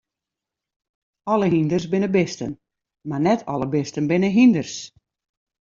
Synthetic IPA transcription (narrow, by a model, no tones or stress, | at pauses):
ɔləɦindərsbɪnəbɪstə̰n | marnɛtʰɔ̰ləbɪstənbɪnəɦindərs